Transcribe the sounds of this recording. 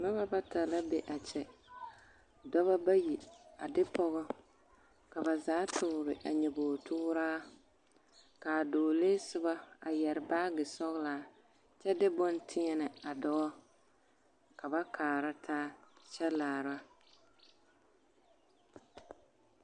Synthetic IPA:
mɛ˦ba˦ba˦ta˨la˦be˦ʔa˨t͡ʃɛ˨ | dɔ˦βa˦ba˦ji˨a˨dɪ˦pɔ˦ɣɔ˦ | ka˨ba˨zaː˨˦tʰʊ˨ɾɪ˨ʔa̰˨ɲɛ˨boː˨tʰʊː˦ɾaː˦ | kaː˨doː˨leː˦sɪ˦ba˦a̰˨jɛ˨ɾɪ˨baː˦ɡɪ˨sɔ˦ɣlaː˨˦ | t͡ʃɛ˦dɪ˦bʊ˦ntʰɪ˦ɲɛ˦nɪ˨a˨dɔ˦ɔ˦ | ka˨ba˦kʰaː˨ɾa˦tʰaː˦t͡ʃɛ˦laː˨ɾa˦

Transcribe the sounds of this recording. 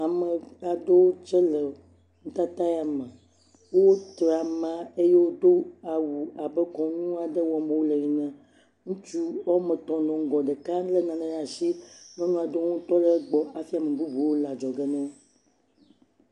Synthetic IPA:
a˨mə˨a˨d̪o˦wo˦t͡ʃɛ˦lə˨ | ŋ̩̃˦t̪a˦t̪a˦ja˨mə˨ | wo˦t̪ɾa˨mã˦e˦je˦wo˦d̪o˦a˨wu˨a˨bə˦kɔ̃˨nũ˦a˨ɖə˦wɔ˨m˦bo˦wo˦le˨ɲĩ˨nɛ̃˨ | ŋũ˦t͡ʃu˦wɔ˦mə̃˨t̪ɔ̃˨nɔ̃˨ŋ̩˦ɡɔ̃˨ɖe˨kã˦lə˦nã˨nɛ̃˦n˦a˨si˦nɔ̃˦nũ˦a˨d̪o˦ŋũ˦t̪ɔ˦le˦ɡ͡bɔ˨a˨fi˦a˨mẽ˨bu˦bu˨wo˦la˨d͡ʒɔ˨ɡə˦nɛ̃˦

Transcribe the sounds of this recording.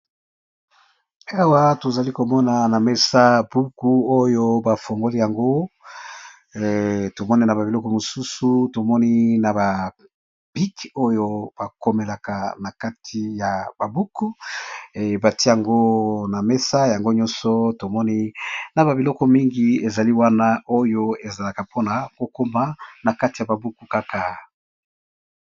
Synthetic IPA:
a˦˨wa˦to˨za˨li˦ko˨mɔ˦na˨na˨me˦sa˦b̥u˦ku˦o˦jo˦ba˨fo˨ŋɡo˦li˦ja˨ŋɡo˦˨ | to˨mɔ˦ni˦na˨ba˨bi˨lɔ˦kɔ˦mo˨su˦su˦to˨mɔ˦ni˦na˨ba˨ | b̥i˦ko˦jo˦b̥a˨ko˦me˨la˨ka˨na˨ka˦tʰi˨ja˨ba˨bu˦ku˦˨ | ba˨ti˦ja˨ŋɡo˦na˨me˦sa˦ja˨ŋɡo˦ɲɔ̃˦nsɔ˦to˨mɔ˦ni˦na˨ba˨bi˨lɔ˦kɔ˦mi˦ŋɡi˦e˨za˨li˦wa˦na˦ʔo˦jo˦e˨za˨la˨ka˨po˦na˨ko˨ko˦ma˦na˨ka˦ti˨ja˨ba˨bu˦ku˦ka˦ka˨

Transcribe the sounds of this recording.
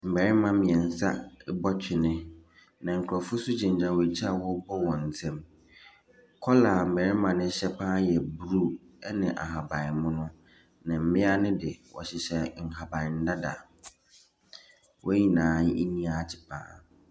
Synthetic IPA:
m̩˨bɛ˨ɾɪ˦mã˦mɪ̃˨ɛ̃˨n̩˨sa˦bɔ˦t͡ɕʰᶣɪ˨nɪ̃˦ | nã˨ŋ̩˨kʰʊ˨ɾɔ˨fʊ˦sʊ˦d͡ʑɪ̃˨ɲ˨d͡ʑa˨wɔ˨t͡ɕʰi˦a˨wɔ˦bɔ˦wɔ̃˨n̩˨sʰɛ̃˦m | kʰɔ˦la˨m̩˨bɛ˨ɾɪ̃˦mã˨nɪ̃˦ɕɛ˦pʰãː˦jɛ˨bu˨ɾu˦ | ɛ˦nɪ̃˨ʔa̰˨ɦa˨bã˨ɪ˨mʊ̃˦nʊ̃˦ | nɪ̃˨m̩˦mɪ̃˦a˦nɪ̃˦dɪ˨wɔ̰˨ɕɪ˨ɕɛ˨ŋ̩˨ɦa˨bã˨n̩˦da˦da̰˨ | wʔɔ̰˦ɲĩ˨nãː˨˦i˦nĩ˦a˦˨t͡ɕʰɪ̥˨pʰã̰ː˦

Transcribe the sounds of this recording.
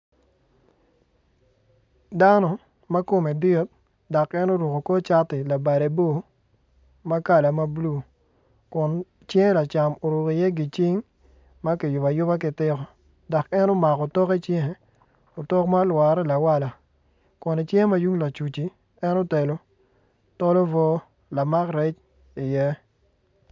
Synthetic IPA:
da˦nɔ˨ | ma˦ko˨me˨dɪ˦t̚ | dɔ˨kɛ˦no˦ɾu˨ko˨ko˦t͡ʃa˦tɪ˨la˨ba˨de˨bo˦˨ | ma˦ka˦˨la˨ma˦blu˦˨ | kʊ˨n | t͡ʃɛ˦ŋ˦la˨t͡ʃa˨mo˨ɾu˨ki˨jɛ˦ɡɪ˨t͡ʃɪ˦ŋ | ma˦kɪ˨jʊ˨ba˨jʊ˦ba˦kɪ˨tɪ˦kɔ˨ | dɔ˨kɛ˦no˦ma˨kɔ˨tɔ˦ke˦t͡ʃjɛ˦˨ | o˨tɔ˦kma˦lwa˨ɾɛ˦la˨wa˦la˨ | kʊ˨ne˨t͡ʃjɛ˦ma˦ju˦ŋla˨t͡ʃu˨t͡ʃi˨ | ɛ˦no˦te˨lo˦ | tɔ˦lɔ˦vɔ˦ | la˨ma˦kɾɛ˦t͡ʃ | i˨jɛ˦

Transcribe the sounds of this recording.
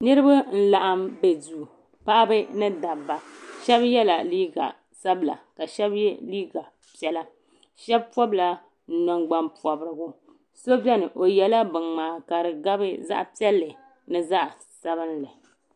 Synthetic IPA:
nɨ˦ɾɨ˦ba˦n̩˦la˨ʔa˦mbe˨du˨ | pa˦ʔa˦bɨ˦nɨ˦da˨bːa˨ʃɛ˦bjɛ˦la˨liː˦ɡa̰˨ | sa˦bla̰˨ka˨ʃɛ˦bjɛ˦liː˦ɡa˨ | pɛ˦la˦ | ʃɛ˦b̚pɔ˦bla˨ | n̩˦nɔ˦ŋɡ͡ba˦mpɔ˨bɾɨ˦ɡʊ˦ | so˦bɛ˦nɨ˨ʔo˨jɛ˨la˦bɨ˨ŋmaː˨ka˨ɾɨ˨ɡa˦bɨ˦za̰˦ʔpi˦ɛ˦lːɨ˨ | nɨ˦za˦ʔ | sa˦βɨ˦n˦lɨ˨

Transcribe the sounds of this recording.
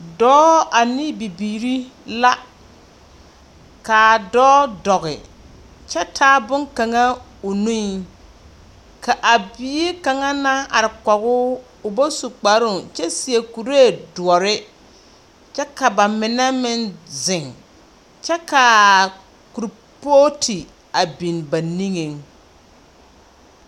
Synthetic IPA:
dɔː˦a˨ni˦bi˨biː˨ɾi˦la˦ | ka˨dɔː˦dɔ˨ɣɪ̰˨ | t͡ʃɛ˦tʰaː˦bʊ˦ŋka˨ŋa˦ | o˨nu˦i˨ | kʰa˨ʔa˨bi˨˦e˦ka˨ŋa˦na˦a˨ɾɪ˨kɔ˨ɣʊ˦ | ʊ˨bo˦su˨k͡pa˨ɾʊ˦˨t͡ʃɛ˦si˨e˨ku˨ɾe˦˨dʊ˨ɔ˨ɾɪ˦ | t͡ʃɛ˦ka˨ba˨mɪ˨nɛ˦mɪ˦nzɪ˨ŋ | t͡ʃɛ˦ka˨ | ku˨ɾ | po˦tʰi˨ | a˨bi˨nba˨ni˦ŋe˨ŋ

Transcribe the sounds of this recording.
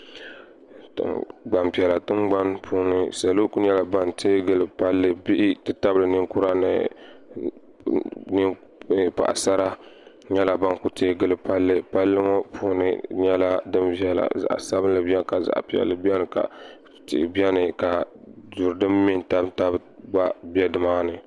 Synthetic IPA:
tɨ̰˨ɡ͡ba˨mpi˨ɛ˨la˨tɨ˦mɡ͡ba˦npʰu˦nɨ˨sa˨lo˦ku˦ɲɛ˦la˨ba˦ntʰeː˦ɡɨ˦lɨ˨pa˦lːɨ˦bi˦ʔɪ˦tɨ˦ta˦bɨ˨lɨ˨nɨ˦ŋku˦ɾa˦nɨ̰˨ | n˦˨ | pa̰˨ʔa̰˨sa˦ɾa˦ | ɲɛ˦la˨ba˦nku˨teː˦ɡɨ˦lɨ˨pa˦lːɨ˦pa˦lːɨ˦ŋɔ˦pʰuː˦nɨ̰˦ɲɛ˦la˦dɨ˦mvi˦ɛ˨la̰˨za̰˨ʔsa˦bɨ˦n˦lɨ˦bi˦ɛ˦nka˨za̰˨ʔpi˨ɛ̰˨lːɨ˨˦bɛ˦nɨ˨ka̰˨ | tɪ̰˨bi˦ɛ˦nɨ˨ka˨du˨ɾdɨ˦mmi˦nta˦bta˦bɡ͡ba˦bi˦ɛ˦dɨ˨ma˦nɨ˨

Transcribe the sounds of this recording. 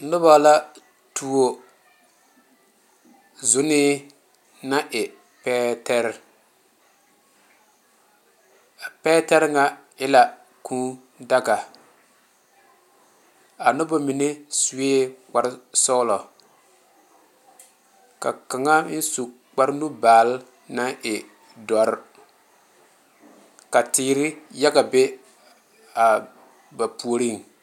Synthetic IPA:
nʊ˦ba˨la˦ | tu˦˨o˨ | zʊ˦nɪ˦ | na˦ʔɪ˨ | pɛː˦tɛ˦ɾ | a˨pɛː˦tɛ˦ɾŋa˨ | ɪ˦la˨ | kʰũ˦ | da˦ɡa˨ | a˨nʊ˦bʊ˦mi˨ne˦su˨˦eː˦k͡pa˨ɾsɔ˦lɔ˨ | ka̰˨ka˨ŋa˦n̩˦su˨ | k͡pa˦ɾnu˦baː˨l | na˦ŋʔɪ˨ | dɔ˨ɾ | ka˨tiː˨ɾɪ˦ja˦ɡa˨be˦ | a˨ | ba˨pu˨o˨ɾi˦˨ŋ˨

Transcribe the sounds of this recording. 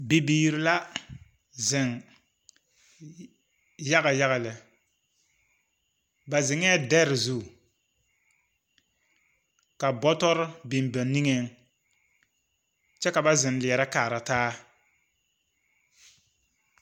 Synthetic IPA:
bi˨biː˨ɾɪ˨˦la˦ | zɪ˨ŋ | ja˦ɣa˨ja˦ɣa˨lɪ˨ | ba˨zɪ˨ŋɛ˦dɛ˦ɾɪ˨zu˦˨ | ka˨bɔ˦tɔ˦ɾɪ˦bɪ˨mbɛ˨ni˦ŋe˦ŋ | t͡ʃɛ˦ka˨ba˦zɪ˨nlɪ˨ɛ˨ɾa˦kaː˨ɾa˨taː˦

